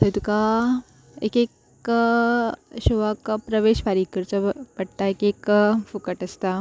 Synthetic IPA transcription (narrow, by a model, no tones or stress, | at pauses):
sət̪uka | ḛkek | ɕoʋakpɾəʋeɕfaɾiːkəɾt͡səpəɽt̪aekekfukəʈəst̪a